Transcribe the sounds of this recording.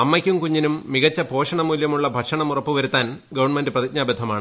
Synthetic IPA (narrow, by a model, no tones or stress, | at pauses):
ɐmːɐkʲːumkuɲːinumːiɣɐt͡ɕːɐpʰo̞ːʂɐɳɐmuːljɐmuɭːɐbʱɐʈʂɐɳɐmurɐpːuʋɐɾut̪ːaːnɡɐʋɐɳmendɨprɐðit̚ɲaːbɐd̪ʱːɐmaːɳɨ